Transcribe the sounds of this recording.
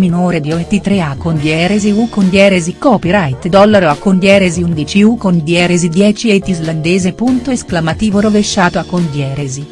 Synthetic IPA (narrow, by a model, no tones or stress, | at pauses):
minoːɾed̪iovent̪it̪ɾeakːond̪jɛːɾeziukond̪jɛːɾezikɔːpiɾajt̪d̪ɔlːaɾoakːond̪jɛːɾeziund̪it͡ʃiukond̪jɛːɾezid̪jɛːt͡ʃiet̪iizland̪eːzepunt̪oesklamat̪iːvoɾoveʃːaːt̪oakːond̪jɛːɾezi